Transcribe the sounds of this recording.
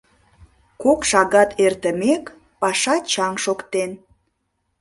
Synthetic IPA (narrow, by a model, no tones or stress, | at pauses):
kokʃɑɣɑt̪ʰert̪əmek | pɑʃɑt͡ɕɑŋʃokt̪en